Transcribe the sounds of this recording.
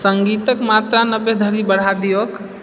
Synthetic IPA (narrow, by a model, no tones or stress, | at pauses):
səŋɡit̪əkmat̪ɾanəbːed̪ʱəlibəɽ̤ad̪ijək